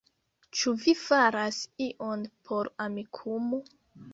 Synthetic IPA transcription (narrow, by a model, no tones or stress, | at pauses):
t͡ʃuvifaɾasiʔo̞npʰo̞ɾamikʰumo